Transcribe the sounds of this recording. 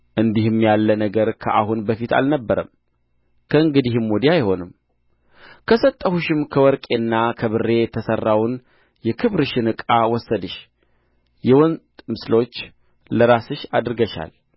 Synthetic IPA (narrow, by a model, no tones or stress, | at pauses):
ʔɨnd̪ihɨmjalːənəɡəɾkʰəʔahunbəfit̪ʰa̰lnəbːəɾəm | kʰəɨŋɡɨd̪ihɨmwod̪ijajho̞nɨm | kʰəsət̪ʼːəhuʃɪmkʰəwɔɾkʼe̞nːakʰəβɨrːe̞t̪ʰəsərːawn | jɛkʰɨβɾɨʃɪnɨkʼawɔsːəd̪ɨʃ | jɛwɔnʼmɨslo̞t͡ʃː | ləɾasɨʃad̪ɾɨɡəʃa̰l